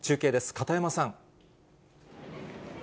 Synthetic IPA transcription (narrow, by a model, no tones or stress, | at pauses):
t͡ɕɨːke̞ːd̪e̞sɨ̥kat̪aemasãŋ